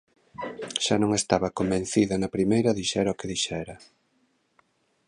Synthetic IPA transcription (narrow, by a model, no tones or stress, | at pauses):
ʃanõŋest̪aβɐkombẽn̟θiðɐnɐpɾimejɾɐðiʃɛɾokɪðiʃɛɾɐ